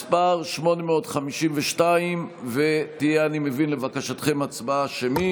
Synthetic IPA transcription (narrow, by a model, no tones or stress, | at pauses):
spaʁʃmo̞nemeo̞tχamiʃimveʃtaimvet̪ijeanimevinle̞vakaʃat̪χe̞mat͡sbaʃemi